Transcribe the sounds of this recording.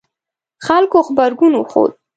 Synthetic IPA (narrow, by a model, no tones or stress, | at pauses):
xalkoxbaɾɡunoxo̰d̪̚